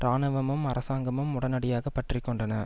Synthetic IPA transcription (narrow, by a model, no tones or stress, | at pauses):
ɾaːnɯʋɐmɯmɐɾɐsaːŋɡɐmɯmʊɽɐnɐɽɪjaːɣɐpːɐʈrɪkːɔɳɖɐnɐ